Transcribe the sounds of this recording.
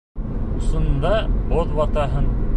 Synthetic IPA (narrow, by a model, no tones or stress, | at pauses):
usɤ̆nd̪ɑoðwɑt̪ɑɦɤn